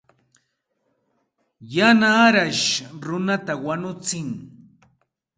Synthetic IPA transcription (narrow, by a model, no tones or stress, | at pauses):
janaːɾaʃɾʊnat̪awanʊt͡sɪŋ